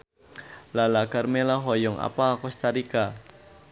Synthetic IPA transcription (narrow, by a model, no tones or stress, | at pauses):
lalakarmelaɦɔjɔŋa̰paːkɔst̪aɾika